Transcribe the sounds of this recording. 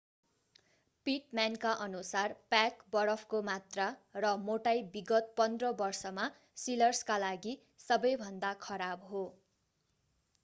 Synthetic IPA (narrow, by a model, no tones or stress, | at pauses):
piʈmankaʔʌnusarpakbʌɾʌpʰkomat̪rarʌmoʈajbiɡʌt̪̚pʌnd̪rʌbʌrsʌma | silʌrskalaɡi | sʌbʌjbʱʌnd̪akʰʌɾabɦo